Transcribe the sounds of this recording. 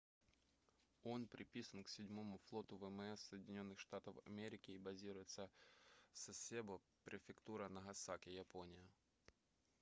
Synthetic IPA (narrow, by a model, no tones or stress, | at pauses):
onpɾʲɪpʲisənksʲɪdʲmomʊflˠo̞t̪ʊvɛmɛsːəjɪdʲɪnʲo̞nːɨxʂt̪at̪əfɐ̰mʲeɾʲɪkʲɪːbɐzʲiɾʊjɪt̪sə | sɐsʲebɐ | pɾʲɪfʲɪkt̪uɾɐnɐɦɐsakʲɪjɐponʲɪjə